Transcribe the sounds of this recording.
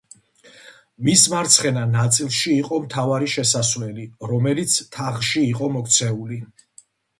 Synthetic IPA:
mismaɾt̪sʰχɛnanat̪sʼilˠʃiːqʼɔmt̪ʰavaɾiʃɛsasvlɛliɾɔmɛlit̪sʰt̪ʰaʁʃiːqʼɔmɔkʰt̪sʰɛuli

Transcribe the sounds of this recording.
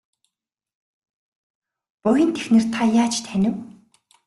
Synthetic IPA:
pʊjɪ̆nt̪ʰexnɘ̆rt̪ʰajaːt͡ɕt̪ʰænʲɪ̆w

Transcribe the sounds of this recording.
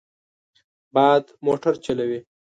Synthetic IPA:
bɑːd̪moʈaɾt͡ʃalawi

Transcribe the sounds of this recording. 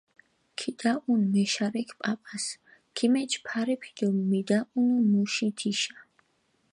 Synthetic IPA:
kʰit̪ʼaʔunmɛʃaɾɛkʰpʼapʼas | kʰimɛt͡ʃʰpʰaɾɛpʰid̪̥ɔmːid̪aʔunumuʃit̪ʰiʃa

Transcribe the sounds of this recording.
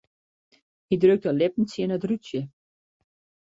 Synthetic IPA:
hidrøk̚təlɪp̚n̩sjənətrusjə

